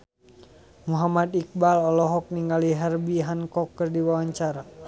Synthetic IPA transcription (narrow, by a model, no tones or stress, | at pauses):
muɦamad̪ik̚balɔlɔɦɔk̚niŋɡaliɦɛrbiɦankɔkːɨrdiwawaɲt͡ʃaɾa